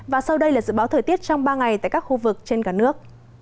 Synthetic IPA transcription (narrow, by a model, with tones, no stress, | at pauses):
vaː˨˩sa˧wɗə˧jlaː˨˩zɨ̰˧˥ɓaː˨˦wt̪ʰəː˨˩jt̪i˦˥ət̚t͡ɕɔ˧wŋ͡mɓaː˧ŋa˨˩jt̪a̰ː˧˨jkaː˦˥k̚xu˧vɨ˨˩k̚t͡ɕe˧nkaː˧˩nɨ˦˥ək̚